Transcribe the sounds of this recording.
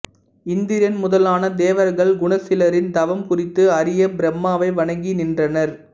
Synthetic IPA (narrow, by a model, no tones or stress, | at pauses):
ɪnd̪ɪjɐnmʊðɐlaːnɐd̪eːʋɐɾɣɐɭɡʊɳɐsɪlɐɾɪnd̪ɐʋɐmkʊrɪt̪ːɯɐɾɪjɐbɪɾɐmːaːʋɐɪʋɐɳɐŋɡinɪndrɐnɐɾ